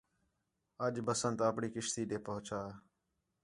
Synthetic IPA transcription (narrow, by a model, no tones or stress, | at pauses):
əʄbəsənt̪əpɳiːkɪʃt̪iːɗ̪eːpəɦʊt͡ʃaː